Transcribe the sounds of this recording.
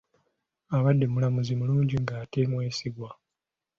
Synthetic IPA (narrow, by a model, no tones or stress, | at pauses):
aβadːe̞mulamuzimuluːɲɟiŋɡaːte̞mwe̞ːsiɡwa